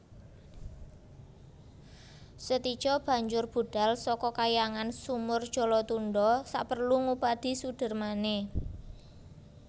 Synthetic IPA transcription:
sət̪id̥ʒ̥ɔb̥ä̤ɲd͡ʒʊrb̥ṳɖ̥a̤lsɔkɔkajaŋansumʊrd̥ʒ̥ɔ̤lɔt̪unɖɔsa̰ʔpərluŋupad̪̥i̤suɖ̥ə̤rmane

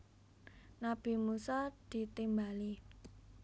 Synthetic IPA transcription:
nab̥i̤musad̪̥i̤t̪imbali

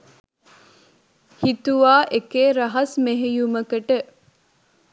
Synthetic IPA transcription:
hit̪uʋaːʔekeːɾɐɦɐsmeɦejuməkəʈə

